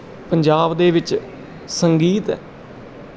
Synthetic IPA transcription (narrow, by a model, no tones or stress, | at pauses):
pəɲd͡ʒaːbd̪eːʋɪt͡ʃ | səŋɡiːt̪